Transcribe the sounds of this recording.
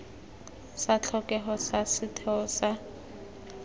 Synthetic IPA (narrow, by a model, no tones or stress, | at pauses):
sat͡ɬʰɔkʼɛɦɔsasɪtʰɛɔsa